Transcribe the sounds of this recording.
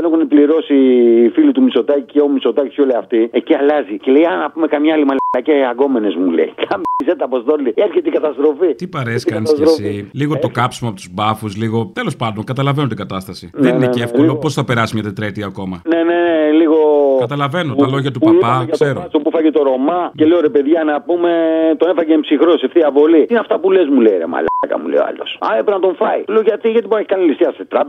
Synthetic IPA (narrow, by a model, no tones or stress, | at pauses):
enexunipliɾo̞siːfilit̪umiso̞t̪ɐciceo̞miso̞t̪ɐci̥soliɐft̪ieciɐlɐzicelejɐnɐpume̞kɐmɲɐɐlimɐlɐlɐceɐɡo̞me̞ne̞zmulḛikɐmiset̪ɐpost̪olieɾçet̪iɡɐt̪ɐst̪ɾo̞fit̪ipɐɾeskɐnɐsɾosiliɣo̞t̪o̞kɐpsimoɐpot̪uzbɐfusliɣo̞t̪elo̞spɐnd̪o̞ŋkɐt̪ɐlɐve̞not̪iɡɐt̪ɐst̪ɐsinenineefkolopo̞sθɐpe̞ɾɐsimɲɐt̪et̪ɾet̪iɐko̞mɐneneneliɣokɐt̪ɐlɐve̞noɐlo̞ʝɐt̪upɐpɐɐseɾosopufɐcet̪o̞ɾo̞mɐceleoɾepeðʝɐnɐpume̞t̪onefɐceːmpsixɾoseft̪iɐvo̞liinɐft̪ɐpulezmuleiɾemɐ̰lɐkɐ̰mṵlḛo̰ɐ̰losɐ̰epɾenɐt̪o̞ɱfɐit̪oleoʝɐt̪iʝɐt̪iponeçi̥kɐnilist̪iɐst̪et̪ɾɐp